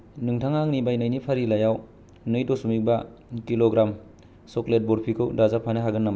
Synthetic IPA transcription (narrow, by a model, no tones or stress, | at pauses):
nɯŋtʰaŋaŋnibajnɯjnipʰaɾilajaw | nɯjdɔsumik̚bakiloɡɾam | sɔklet̚bɔɾpʰikʰɯwdazapʰanaɦaɡɯnːam